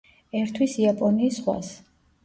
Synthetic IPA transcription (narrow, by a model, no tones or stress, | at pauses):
ɛɾt̪ʰwisiapʼɔniːsχwa̰s